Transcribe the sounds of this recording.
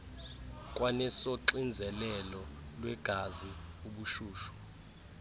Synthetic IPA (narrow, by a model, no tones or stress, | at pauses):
kʼwanɛsɔǀind͡zʱɛlɛlɔlwɛɡ̥ʱaziuɓuʃuːʃu̥